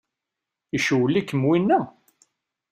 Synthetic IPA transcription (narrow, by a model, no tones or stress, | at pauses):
iʃuwəlːikːəmwinːæ